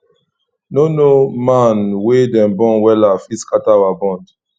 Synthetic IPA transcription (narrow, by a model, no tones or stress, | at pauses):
nonomãnwedɛ̃mbɔ̃nwɛlafiskatawabɔ̃nd